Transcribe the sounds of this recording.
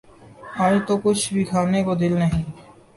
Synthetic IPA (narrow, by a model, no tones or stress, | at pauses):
aːd͡ʒt̪okʊt͡ʃʰbʱikʰaːnekod̪ɪlnəɦĩː